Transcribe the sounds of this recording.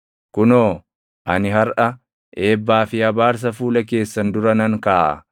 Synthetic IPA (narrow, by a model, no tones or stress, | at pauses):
kʊnoː | ʔɐnɪɦɐɾʔɐ | ʔe̞ːbːaːfɪɐbaːɾs̬ɐfuːlɐk̬e̞ːsːɐnd̪ʊɾɐnɐŋkaːʔɐ̰